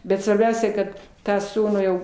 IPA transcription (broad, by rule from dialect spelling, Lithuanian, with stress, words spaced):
bʲɛt sʋɐrʲˈbʲɛʊsʲɛ kɐt ˈtɑː ˈsuːnuː jɛʊ